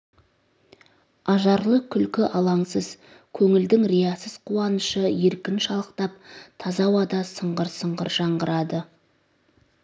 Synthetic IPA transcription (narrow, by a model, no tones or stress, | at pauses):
ɑʒɑɾlˠəkʲʰʏlkʲɪʔɑlˠɑɴsəz | kʲʰɵŋɪld̪ɪŋɾejalˠsəz̥qʰuwɑnəʃəje̞ɾkʲɪnʃɑlˠəqt̪ɑp̚t̪ʰɑzɑwɑd̪ɑsəɴʁəɾsəɴʁəɾʒɑɴʁəɾɑd̪ə